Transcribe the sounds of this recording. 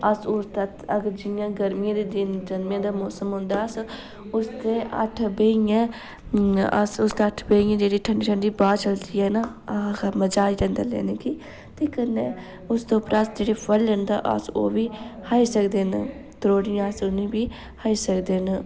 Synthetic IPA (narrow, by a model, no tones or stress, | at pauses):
əsʊst̪ət̪əɡəɾd͡ʒɪjãːɡəɾmɪjãːd̪eːd̪ɪnd͡ʒənmjãːd̪aːmɔːsəmɦʊ̃nd̪aːəs | ʊst̪eːʔə̰ʈʰbeːijãː | ə̰sʊst̪eːəʈʰbeijãːd͡ʒeːɽiːʈʰəɳɖiːʈʰəɳɖiːbaːt͡ʃəld̪iːɛːna | məd͡ʒaːiɾɛ̃ːnd̪a̰ːlɛ̰ːneːkiː | t̪eːkənːeː | ʊsd̪õːpɾasd͡ʒeːɽeːpʰəlːənd̪a̰ːʔə̰so̰ːʋiːhaːiːsəkd̪eːn | t̪əɾoːɽɪjãsʊnẽːbiː | haːiːsəkd̪eːn